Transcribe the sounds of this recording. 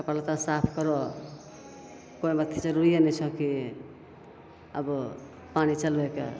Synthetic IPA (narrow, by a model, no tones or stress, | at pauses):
kəpalt̪asapʰkʌɾɔ | koimət̪ʰːid͡ʒəɾuɾijenɛt͡ʃʰʌki | ə̰bɔ | panit͡ʃəlbekḛ